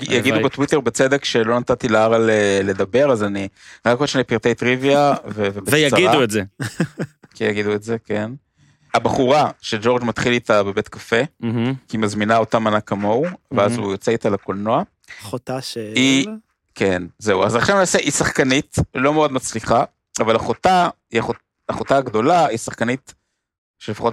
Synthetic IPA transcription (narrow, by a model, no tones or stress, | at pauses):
ɡijaɡid̪ubet̪wit̪eʁbet͡sed̪ekʃelo̞nat̪at̪ilaaʁalele̞d̪abe̞ʁazaniʁakoʃnepiʁt̪ejt̪ʁiviavevebeejaaidauetze | kijaɡid̪uetzeken | abaχuʁaʃed͡ʒo̞ʁd͡ʒmat̪χilit̪abe̞be̞t̪kafe̞kimazminao̞tamanakamo̞wveazujot͡seit̪alakolno̞a | χot̪aʃi | kʰenzeuazaχʃavnaːseʔisaχkanitlo̞meo̞d̪mat͡sliχa | avalaχota | iaχot | aχotaaɡd̪o̞laisaχkanit | ʃele̞faχo̞t